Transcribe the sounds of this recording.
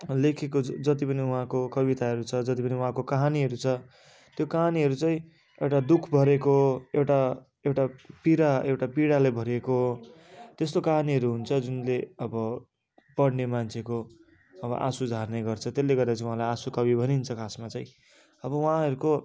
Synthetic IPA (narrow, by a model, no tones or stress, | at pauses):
lekʰekod͡zʌt̪̬ipʌniuɦãkokʌβit̪aɦʌɾut͡sʰʌd͡zʌt̪̬ipʌniuɦãkokaɦaniɦʌɾut͡sʰʌ | t̪jokaɦaniɦʌɾut͡sʌĩ | ewʈad̪ukʰbʱʌɾekoewʈa | ewʈapiɾaewʈapiɽalebʱʌɾeko | t̪est̪okaɦaniɦʌɾuɦunt͡sʰʌd͡zunleʌbʌ | pʌɽnemant͡sʰeko | ʌbʌ̰ʔa̰sud͡zʱarnʌjɡʌrt͡sʰʌt̪elːeɡʌrd̪at͡sʰiũɦãlajasukʌbibʱʌnint͡sʰʌkʰasmat͡sʌĩ | ʌbʌwɦãɦʌɾuko